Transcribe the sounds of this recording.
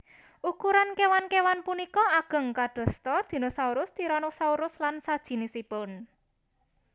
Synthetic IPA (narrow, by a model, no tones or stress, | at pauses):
ʔukuɾankewankewanpunikɔaɡ̥ə̤ŋkaɖ̪̥ɔ̤st̪ɔrd̪̥i̤nosauɾʊst̪iɾɔnosauɾʊslansad̥ʒ̥i̤nisipʊn